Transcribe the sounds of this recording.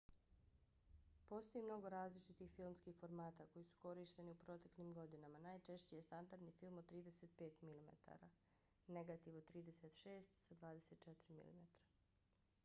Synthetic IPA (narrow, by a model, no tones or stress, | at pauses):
po̞st̪o̞jimno̞ɡo̞ɾaːzlit͡ʃit̪ixfilmskixfo̞ɾmaːt̪ako̞jisu̥ko̞ɾiʃt̪e̞niupɾo̞t̪e̞klʲimɡo̞d̪inamanaːjt͡ʃe̞ʃt͡ɕejest̪and̪aɾd̪nifilˠmod̪̚t̪ːɾiːd̪e̞set̪̚peːt̪milimḛt̪ʰa̰ɾa | ne̞ɡat̪iʋod̪t̪ːɾiːd̪e̞set̪ʃe̞ːst̪sad̪ʋaːd̪e̞se̞t̪t͡ʃet̪ɾimḭlḭmet̪ɾḁ